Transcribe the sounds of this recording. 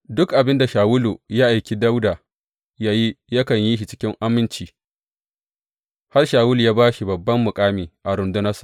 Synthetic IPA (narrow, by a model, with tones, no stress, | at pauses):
dʊ˦kʔa˨bɪ˦nda˨ʃaː˨wʊ˦lu˨ja˦ʔa˨jkʲi˦da˦wda˨ | jaː˦ji˦jɐ˦kɐ˨ɲji˦ʃi˨t͡ʃɪ̥˦kʲɪ˦ŋʔa˦mɪ˦nt͡ʃiː˨ | ha˦rʃaː˨wʊ˦ljaː˦baː˦ʃi˨bɐ˨bːɐ˦mːʊ˨kʼaː˦miː˨ʔa˨ɾʊ˨ndʊ˦nɐ˦sḁ˨